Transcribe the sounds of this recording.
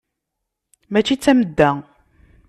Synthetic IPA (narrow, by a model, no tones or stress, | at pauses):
mæt͡ʃːit͡sːæməd̪ːæ